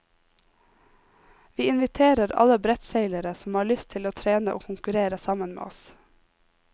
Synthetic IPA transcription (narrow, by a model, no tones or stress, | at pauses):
ʋiːɪnʋɪt̪ʰeːɾəɾɑ̰ləbɾɛt̪seɪləɾəsm̩hɑːɭʏst̪ʰɪloːt̪ʰɾeːnəʔoːkʰʊŋkʉɾeːɾəsɑmənmḛːʔɔs